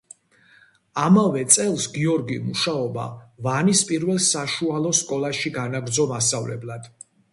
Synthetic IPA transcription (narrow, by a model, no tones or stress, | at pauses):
amavɛt̪sʼɛlˠsɡiɔɾɡimuʃaɔba̰vanispʼiɾvɛlˠsaʃualˠɔskʼɔlˠaʃiɡanaɡɾd̪zɔmasavlɛ̰blad̪̥